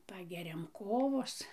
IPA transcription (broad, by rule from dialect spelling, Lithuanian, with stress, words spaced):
ˈpɑːɡʲɛrʲɛm ˈkoːʋoːs